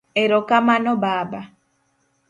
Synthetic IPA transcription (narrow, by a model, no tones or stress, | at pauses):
ɛɾɔkamanɔbaːba